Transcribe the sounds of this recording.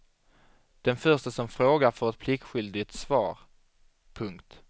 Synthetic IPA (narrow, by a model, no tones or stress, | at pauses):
d̪̥ɛnfœʂʈəsɔmfɾoːɡaɾfœɾɛt̪̚pʰlɪkɧʏld̪ɪt̪svɑ̰ːɾ | pʰɵŋkt̪